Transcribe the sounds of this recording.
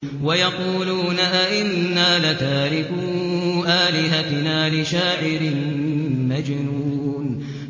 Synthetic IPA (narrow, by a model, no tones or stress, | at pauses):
wajɑquːluːnaʔaʔɪnːaːlat̪aːɾɪkʊʔaːlɪɦat̪ɪnaːlɪʃaːʕɪɾɪ | mad͡ʒnuːn